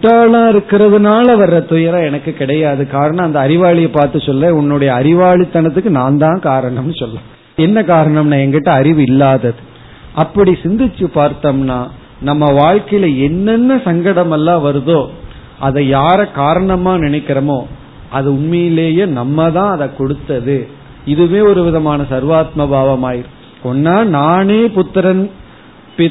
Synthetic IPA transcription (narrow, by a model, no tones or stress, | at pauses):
ʈːaːlãːɪɾɯkːɪɾɐðɯnaːlɐʋɐrːɐt̪ʊjɐɾãːɛnɐkːɯkɪɽɐjaːðɯkaːɾɐɳɐ̃ɐnd̪ɐːɾɪʋaːɭɪjɐpaːɾt̪ɯsɔlɾeːʊnːʊɽɐjɐːɾɪʋaːɭɪt̪ːɐnɐt̪̬ːɯkːɯnaːnd̪ãːkaːɾɐɳɐmnɯsɔlːɐ̃ː | ɛnːɐkaːɾɐɳɐmnaːɛŋɡɪʈːɐ̃ɐɾɪʋɯɪlːaːðɐðɯ | ʔɐpːɐɽisɪnd̪ɪt͡ʃːɯpaːɾt̪ɐmnaː | nɐmːɐʋaːɻkɐjɪlɐɛnːɛnːɐsɐŋɡɐɽɐmɛlːãːʋɐɾɯðoː | ʔɐðɐjaːɾɐkaːɾɐɳɐmaːnɪnɐɪkːɪɾɐmoː | ɐðɯʊɳmɐjɪleːjenɐmːɐt̪ãːɐðɐkɔɽɯt̪ːɐðɯ | ɪðɯʋeːɔɾɯʋɪðɐmaːnɐsɐɾʋaːt̪mɐbʱaːʋɐmaːjɪɾɯ | ɔnːaːnaːneːpʊt̪ːɐɾɐn | pɪ